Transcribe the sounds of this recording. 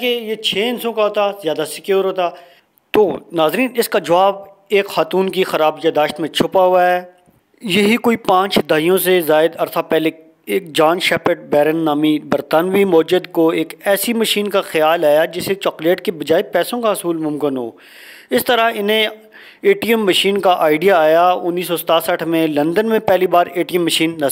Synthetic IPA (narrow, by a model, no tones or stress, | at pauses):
kejet͡ʃʰeːɪnsõkaɦoːt̪azjaːd̪asɪkjuːɾɦoːt̪aː | t̪oːnaːzɾiːnɪskad͡ʒɐʋaːb̚ | eːkxaːt̪uːnkixɐɾaːbjad̪aːʃt̪mẽt͡ʃʰʊpaɦʊaɦɛː | jɐɦikoːipãːt͡ʃd̪ʱaːijõsezaːɪd̪ɐɾt̪ʰapɛːle | eːk̚d͡ʒaːnʃɛːpəʈ̚bɛːɾənːaːmibɐɾt̪aːnʋimʊːd͡ʒəd̪koeːkɛːsimɐʃiːnkaxɪjaːlaːjad͡ʒɪset͡ʃɔːkleːʈkebɐd͡ʒaːepɛːsõkaɦɐsuːlmʊ̃mkɪnɦo̰ː | ɪst̪əɾaɪnɦẽ | eːʈijəmːɐʃiːnkaʔaːɪɖijaaːjaʊnːiːs̬ɔsɐt̪aːsəʈʰmẽlɐ̃nd̪ənmẽpɛːlibaːɾeːʈijəmːɐʃiːnːɐ